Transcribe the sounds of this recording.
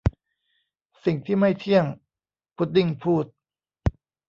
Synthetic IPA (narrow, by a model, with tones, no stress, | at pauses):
si˨˩ŋt̪ʰiː˥˩ma˥˩jt̪ʰi˥˩əŋ | pʰu˨˦˥t̪̚di˥˩ŋpʰuː˥˩t̪̚